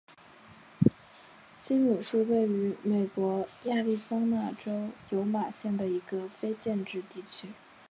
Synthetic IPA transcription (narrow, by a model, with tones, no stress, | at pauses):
t͡ɕi˥nnu˨˩ʂu˥˧we˥˩ɪy˧˥me˨˩ɪkwɔ˧˥ja˥˧li˥˩sɑ˥ŋna˥˩ʈ͡ʂo˥ʊjo˧˥ʊma˨˩ɕjɛ˥˩nd̪ə˩i˧˥ɡə˧fe˥ɪt͡ɕjɛ˥˧nʈ͡ʂɻ̩˥˧t̪i˥˩t͡ɕʰy˥